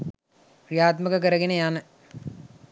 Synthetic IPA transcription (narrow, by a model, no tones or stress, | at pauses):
prijaːt̪məkək̬əɾəɡenejanə